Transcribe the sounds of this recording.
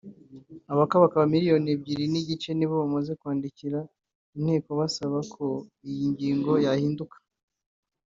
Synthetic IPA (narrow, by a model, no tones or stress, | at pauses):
aβakaβakaβamiɾijo̞nib̚ɟiɾiniɟit͡ʃe̞niβo̞βamaze̞kwaːndiciɾa | in̥he̞ːko̞βasaβakʰo̞ijiɲɟiːŋɡo̞jahiːndukḁ